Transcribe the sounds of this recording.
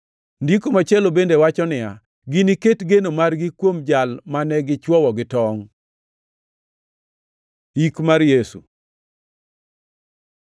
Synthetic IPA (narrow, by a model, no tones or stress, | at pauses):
ndikomat͡ʃɛlobendewat͡ʃɔnɪja | ɡiniketɡenomarɡɪkwomd͡ʒalmanɛɡɪt͡ʃwɔwɔɡɪtɔŋ | ikmaɾjesṵ